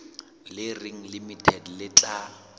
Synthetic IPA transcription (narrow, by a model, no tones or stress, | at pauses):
lɪriŋ̩limitʰɛdlɪt͡ɬʼa